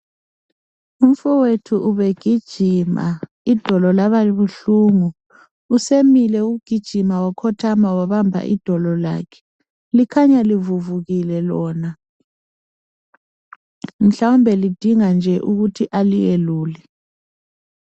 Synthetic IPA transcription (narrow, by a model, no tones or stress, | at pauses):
um̩fɔwetʰuʔuβeɡ̥ʱid̥ʒ̥ʱima̰ | id̥ʱɔlɔlaβaiβuɬuːŋuː | semilɛuɣuɡ̥ʱid̥ʒ̥ʱimawakʰɔtʰamawaβambʱa̰ʔḭd̥ʱɔlɔla̰ːkʰɛ̥ | likʰaɲalivuvuɣilɛlɔːna | m̩ɬawumbʱɛlid̥ʱiŋand͡ʒʱɛʔuɣutʰiʔalijeluːlɛ